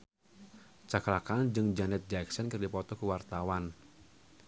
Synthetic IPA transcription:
t͡ʃaklakand͡ʒɨŋd͡ʒanɛt̪̚d͡ʒaksɔnkərdipɔt̪ɔkuwart̪awan

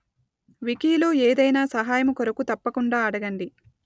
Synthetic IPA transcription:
ʋikiːloːeːd̪ɐjnaːsɐɦaːjɐmɐkɔɾɐkut̪ɐpːɐkuɳɖaːɐɽɐɡɐɳɖi

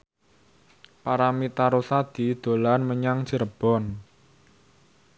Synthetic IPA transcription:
paɾamit̪aɾosad̪̥i̤d̪̥o̤lanməɲaŋ̥t͡ʃəɾəb̥ɔ̤n

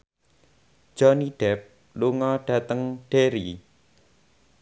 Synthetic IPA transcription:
ʒ̥ɔniɖ̥ɛp̚ | luŋɔɖ̥ä̤t̪əŋɖ̥eɾi

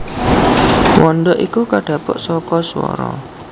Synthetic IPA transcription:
wʔɔnd̪ɔʔikukaɖ̥ä̤pɔʔsɔkɔsuɔ̰ɾɔ

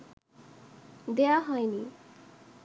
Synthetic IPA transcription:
d̪eaɦʌjni

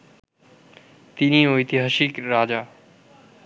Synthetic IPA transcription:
t̪inĩːɦoːit̪ʰiːɦəʃiːkɾaːd͡ʑaː

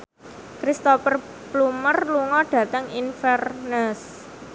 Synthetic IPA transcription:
kɾist̪ɔfər | blumərluŋɔɖ̥ä̤t̪əŋinfɛrnəs

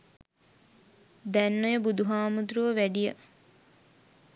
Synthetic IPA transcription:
d̪ænːojəbud̪uɦaːmud̪ɾuʋəʋæɖijə

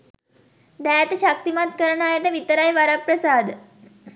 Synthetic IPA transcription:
d̪aɭat̪eɕak̚t̪imat̪̚kəɾɳajaʈ̪aʋit̪əɾajʋaɾapɾəsad̪

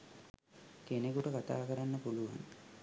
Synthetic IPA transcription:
kenekuʈəkat̪a̰ːkəɾanːəpuluʋa̰ŋ

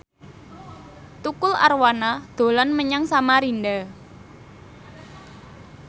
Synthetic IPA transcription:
t̪ukʊla̰rwanad̪̥o̤lɔnməɲaŋsamaɾinɖa

